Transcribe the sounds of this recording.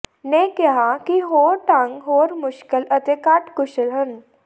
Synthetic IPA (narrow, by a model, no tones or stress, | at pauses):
nekɛɦakiɦoːɾʈãŋɡɦoɾmʊɕkələt̪ekaʈkuɕlɦən